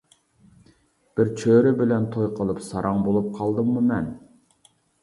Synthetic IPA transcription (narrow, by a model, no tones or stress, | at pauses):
b̥ɪɾt͡ʃʰøɾɪbɪlɛnt̪ʰojqʰəlˠɨpsɑɾʔɑŋbolˠup̚qʰɑlˠd̪ɨmːumɛn